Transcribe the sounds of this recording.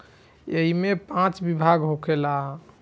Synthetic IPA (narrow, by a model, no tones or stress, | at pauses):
eɦimepãt͡ʃbibʱaɡɦokʰela